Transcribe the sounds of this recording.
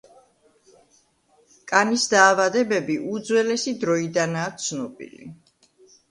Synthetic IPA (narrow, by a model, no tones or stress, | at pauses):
kʼanisd̪aːvad̪ɛbɛbiʔud̪zwɛlɛsid̪ɾɔid̪anaːt̪sʰnɔbḭlḭ